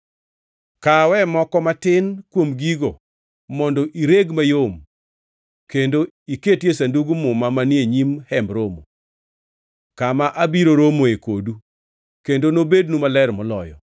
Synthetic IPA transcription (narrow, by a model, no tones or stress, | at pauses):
kawɛmɔkɔmatɪnkwomɡiɡo | mɔndɔʔiɾeɡmajom | kendo | iketjesanduɡumʊmamanjeɲimhɛmbɾomo | kamaʔabiɾoɾomoekodu | kendonobednumalɛrmɔlɔ̰jɔ̰